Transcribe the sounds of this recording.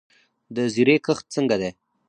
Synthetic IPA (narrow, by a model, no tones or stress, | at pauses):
d̪əziɾekəxt̪̚t͡səŋɡad̪e